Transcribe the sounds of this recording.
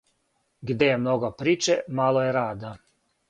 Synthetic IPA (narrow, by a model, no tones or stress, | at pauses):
ɡd̪ejemnoɡopɾiːt͡ʃemalojeɾaːd̪a